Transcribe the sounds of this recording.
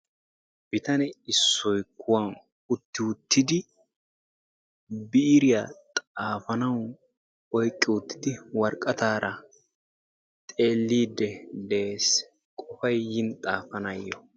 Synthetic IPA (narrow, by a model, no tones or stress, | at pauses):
b̥ɪt̪ɐnɛɪsːɔjkʰːʊwɐn | ʊt̪ːɪʊt̪ːɪd̪ɪ | bɪɾɪjat̪ʼaːfɐnɐw | ɔjkʼːɪʊt̪ːɪ̥d̪ɪwɐɾkʼːɐt̪aːɾʔɐ | t̪ʼe̞ːlːiːd̪ːɛd̪e̞ːs | kʼɔfɐjːɪnt̪ʼaːfɐnɐjːɔ